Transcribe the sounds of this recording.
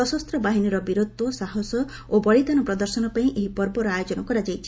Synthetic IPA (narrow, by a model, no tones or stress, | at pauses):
ɔsɔst̪ɾɔbaɦiniɾɔbiɾod̪ɔsaɦɔsɔ | obɔɭid̪anɔpɾɔd̪ɔɾsɔnɔpaĩʔeɦipɔɾbɔɾɔajod͡ʒɔnɔkɔɾad͡ʒajt͡ʃʰi̥